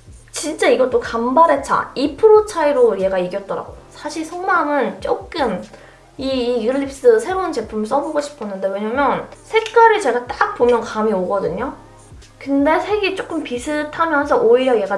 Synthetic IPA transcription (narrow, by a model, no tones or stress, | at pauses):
t͡ɕint͡ɕ͈aiɡʌt͈okambʌɾɦe̞t͡ɕ͈ʰa̰ipʰɯɾot͡ɕʰaiɾoje̞ɡaiɡjʌt̚t͈ʌɾa̰ɡojosʰaɕʰiɭsʰʌŋmaŋɯnt͡ɕ͈ok͈ɯm | iːɡɯʎːip̚s͈ɯsʰe̞ɾount͡ɕe̞pʰumɭs͈ʌboɡoɕʰi̥pʰʌnːɯnde̞weɲamjʌnsʰe̞k͈aɾit͡ɕe̞ɡat͈ak̚pomjʌnkamioɡʌdɯɲo | kɯnde̞sʰe̞ɡet͡ɕ͈ok͈ɯmpisʰɯtʰamjʌnsʰʌʔoiɾjʌje̞ɡa